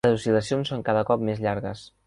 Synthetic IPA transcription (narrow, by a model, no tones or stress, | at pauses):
zusiləsionsːoŋkaðəkɔp̚mezʎaɾɣəs